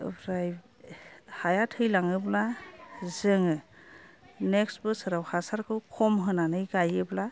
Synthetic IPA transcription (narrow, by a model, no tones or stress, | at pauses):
bɾaj | hajatʰɯjlaŋɯblazɯŋɯ | nɛksbɯsaɾawhasaɾkʰɯwkʰɔmɦɯnanɯjɡajɯbla